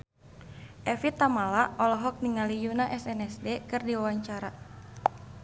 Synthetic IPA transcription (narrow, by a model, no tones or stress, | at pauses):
ʔɛfit̪amalaʔɔlɔɦɔk̚niŋalijunaʔɛsɛnɛsdɛkɨrdiwawaɲt͡ʃaɾa